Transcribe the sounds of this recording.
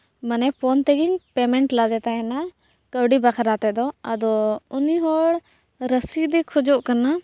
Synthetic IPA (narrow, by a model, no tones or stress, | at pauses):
mənɛpʰɔnt̪ɛɡiɲpɛmɛɳʈlad̪ɛt̪aɛna | kəbɖibakʰɾat̪ɛd̪ɔəd̪ɔuniɦɔɽ | ɾəsid̪ɛkʰɔd͡ʒɔʔkana